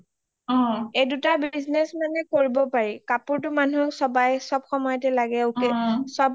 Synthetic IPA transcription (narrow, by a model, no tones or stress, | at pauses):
ɔejdutabiznɛsmanɛkoɹibɔpaɹikapʊɹtʊmanusɔbajsɔbxɔmɔjɔtɛlaɡɛoʊkɛsɔb